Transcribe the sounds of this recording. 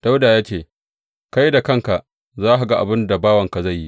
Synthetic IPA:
d̥a˦wdaː˨jaː˦t͡ʃeː˨ | ka˦jda˨kɐ˦ŋka˨ʔ | zaː˦ha˨ɡa˦ʔa̰˨bɪ˦nda˨baː˦wɐ˨ŋka˨za˦˨jːi˦

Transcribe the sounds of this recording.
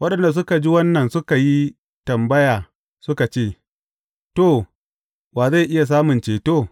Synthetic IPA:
wɐ˦ɗɐ˨nda˨s̬ʊ˦ka˨d͡ʒi˦wɐ˦nːɐ˨nsʊ˦ka˨ji˦ | tɐ˨mbɐ˦jaː˨ | sʊ˦ka˨t͡ʃeː˦˨ | toː˦˨ | waː˨za˦˨jʔɪ˦ja˨s̬aː˦mʊ˨nt͡ʃeː˨toː˦˨

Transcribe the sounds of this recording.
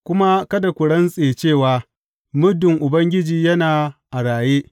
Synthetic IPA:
kʷʊ˦ma˦kɐ˦da˨kʷʊ˨ɽɐ˦nsʼeː˨t͡ʃeː˦˨waː˨ | mʊ˦dɪ˨ŋʔʊ˨bɐ˦ŋɡʲɪ˦d͡ʒiː˨jɐ˦naː˨ʔa˨ɽaː˨jeː˦ʔ

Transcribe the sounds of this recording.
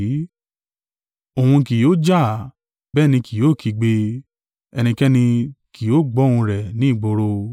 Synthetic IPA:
o˨hũ˧ki˨jo˦d͡ʒa˦˨ | bɛː˦˨nĩ˧ki˨joː˦˨kʰi˨˧ɡ͡be˧ | ɛ˧nĩ˧kɛ˦nĩ˧ki˨jo˦˨ɡ͡bɔ˨˦hũ˧ɾɛ˨nĩ˨˦i˦˨ɡ͡bo˧ɾo˧

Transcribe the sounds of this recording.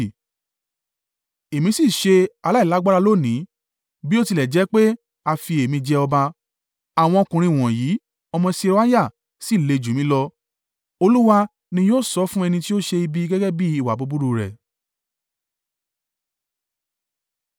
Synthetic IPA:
e˨mĩ˧˦si˦˨ʃe˧a˧la˦i˨la˨˦ɡ͡ba˦ɾa˧lo˦˨nĩ˨˦ | bi˦o˦ti˧lɛ˨d͡ʒɛ˨˦k͡pe˦ | a˧fi˧e˨mĩ˧d͡ʒɛ˧ɔ˧ba˧ | a˨w̃ɔ̃˧ɔ˧kũ˨ɾ̃ĩ˧˨w̃ɔ̃˨jiː˨˦ | ɔ˧mɔ̃˧se˧ɾa˦ja˦˨ | si˦˨le˧˨d͡ʒu˨mĩ˨˦lɔ˧ | o˧lu˦wa˦ | nĩ˧joː˦˨sɔ˧˦fũ˦ɛ˧nĩ˧ti˦o˦ʃe˧i˧bi˦ɡɛ˦ɡɛ˦bi˦i˨wa̰˨bo˨˦bu˦ɾu˧ɾɛ̰˨

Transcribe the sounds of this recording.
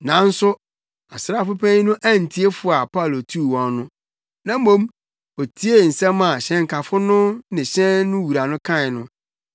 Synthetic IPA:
nã˨˦n̩˦sʊ˦ | a̰˨sɾa˦˨fʊ˦pʰæ̃˦ɲ˦nʊ̃˦ʔæ˦n̩˨tʰi˦e˦fʊ˦a˨pa˦˨lo˨tʰu˦˨wɔ̃˨˦nʊ̃˦ | nã˦mõ˦m | o˨tʰi˦e˦n̩˨sɛ̃˦mã˨ɕɛ̃˦ŋ̩˨kʰa˨fʊ˦nʊ̃˦nɪ̃˨ɕɛ̃˦nnʊ̃˦wu˨ɾa˨nʊ̃˦kʰã˦ɪ˨nʊ̃˦

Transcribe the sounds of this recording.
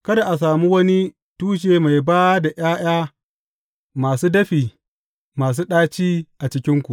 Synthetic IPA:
kɐ˦da˨ʔa˨s̬aː˨mu˦wɐ˦ni˦ | tuː˦ʃ̬eː˨ma˨jbaː˦da˨j̰aː˦j̰aː˦ | maː˨suː˦dɐ˦ɸiː˨ | maː˨s̬uː˦ɗaː˦t͡ʃiː˦ʔa˨t͡ʃɪ˦kʲɪ˦ŋkʷu˨

